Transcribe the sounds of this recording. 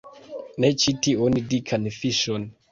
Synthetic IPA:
net͡ʃitionidikʰanfiʃɔn

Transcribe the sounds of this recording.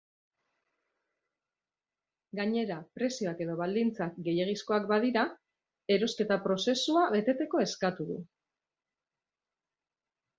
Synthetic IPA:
ɡaɲe̞ɾapɾe̞sio̞ake̞ðo̞β̞ald̪int͡sak̚ɡe̞je̞ɣ̞isko̞akbaðiɾa | e̞ɾo̞ske̞t̪apɾo̞se̞suaβe̞t̪e̞t̪e̞ko̞e̞skat̪uðṵ

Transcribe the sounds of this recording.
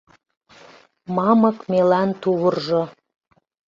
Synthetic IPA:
mɑmɤ̆kmelænt̪uβɤ̆rʒɤ̆

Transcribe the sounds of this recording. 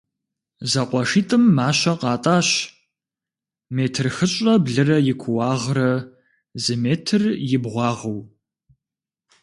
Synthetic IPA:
zɐqʷɔʂiːtʼɨmːaːɕɐqɑːtʼaːɕ | meːtʰɨrxɨɕʼɐbɮɨrɐjɪkʷʰʊwɑːʁrɐ | zɨmeːtʰɨrjɪbʁʷɑːʁɐw

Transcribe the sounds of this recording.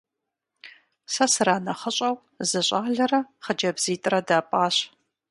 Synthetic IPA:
sɐsɨraːnɐχəɕʼɐw | zɨɕʼaːɮɐrɐχəd͡ʒɐbz̥iːtʼɨrɐdaːpʼaːɕ

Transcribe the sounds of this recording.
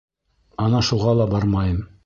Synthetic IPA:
ɑnɑʃuʁɑlˠɑbɑɾmɑjɤm

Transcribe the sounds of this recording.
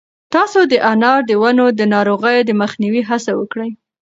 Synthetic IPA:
t̪ɑsod̪əʔanɑɾd̪əwanod̪ənɑɾoɣəjod̪əməxniwiɦasawəkɽəj

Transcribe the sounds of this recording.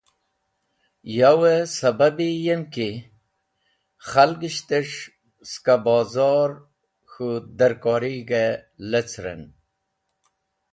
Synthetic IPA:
jawesababijemki | χalɡiɕt̪eʂ | skabɑːzɑːɾ | xud̪əɾkɔːɾiɡelet͡sɾḛn

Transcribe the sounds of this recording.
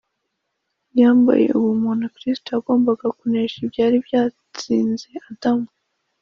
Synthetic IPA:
jaːmba̰je̞̰ʔuwumuːnakɾistoaɡo̞ːmbaɡakuneʃibjaːɾibjaː | t͡siːnze̞adame

